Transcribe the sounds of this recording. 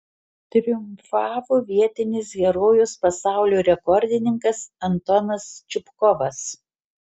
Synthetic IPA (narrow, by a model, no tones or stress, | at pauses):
t̪ʲɾʲɪjʊmfɑːʋoːʋʲiɛt̪ʲɪnʲɪs̬ɡʲɛɾoːjuspɐsɑˑʊlʲoːɾʲɛkɔɾʲd̪ʲɪnʲɪŋkɐsɐnt̪ɔnɐst͡ʃʲɪpkɔʋɐs